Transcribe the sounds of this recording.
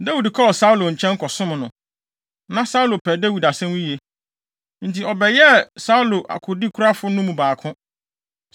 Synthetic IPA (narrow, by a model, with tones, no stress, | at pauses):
da˦wi˨dkʰɔ˦ɔ˨sa˦u˦lo˨ɲ̩˨t͡ɕʰɛ̃˦ŋ˦kʰɔ˨sʊ̃˦m˨nʊ̃˨ | nã˦sa˦u˦lo˨pʰɛ˨da˦wi˨da˨sɛ̃˦mwĩ˦je˦ | n̩˨tʰi˨ɔ˨bɛ˨jɛ˦sa˦u˦lo˨ʔa̰˨kʰʊ˨di˦kʰʊ˦ɾa˦fʊ˦nʊ̃˦mũ˨baː˨kʰʊ̃˦